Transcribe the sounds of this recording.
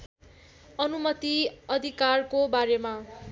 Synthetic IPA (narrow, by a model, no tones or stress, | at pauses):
ʌnumʌt̪iʌd̪ʱikarkobaɾema